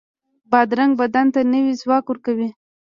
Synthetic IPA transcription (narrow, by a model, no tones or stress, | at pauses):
bɑd̪ɾaŋɡ̚bad̪ant̪anəwizwɑkwʊɾkawi